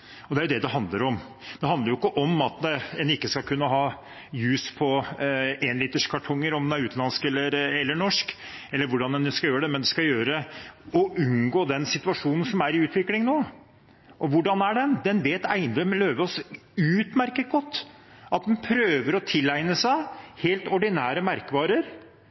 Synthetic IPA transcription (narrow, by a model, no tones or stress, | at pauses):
ɔd̪ɛæɾjʊd̪ɛd̪ɛɦɑnd̪ləɾɔm | d̪̥ɛɦɑnd̪əɾjʊɪkːəʔɔmɑt̪əɛnɪkːəskɑlkʰʉnːəɦɑː | jʉːspʰɔ | ɛnlɪːt̪əʂkʰɑʈʰɔŋːəɾɔmd̪ɛnæɾʉːt̪nɑnskɛlːəɾɛlːəɳɔʂkɛlːəɾʋʊɖɑnɛnskɑljøːɾəɖ̪ɛmɛnd̪ɛskɑljøːɾəɔʔʉnɡoːd̪ɛnsɪt̪ʉɑʂuːnən̩sɔmæɾɪʉːt̪ʋɪklɪŋnoː | ʔɔʋʊɖɑnæɖɛnd̪ɛnʋeːt̪æɪnd̪ɾœmløːʋəɔsʉːt̪mæɾkət̪̚ɡɔt̪ː | ʔɑt̪̚d̪ɛnpʰɾøːʋəɾɔt̪ʰɪlːæɪnəsæɪheːlt̪ɔɖɪnæːɾəmæɾkəʋɑːɾəɾ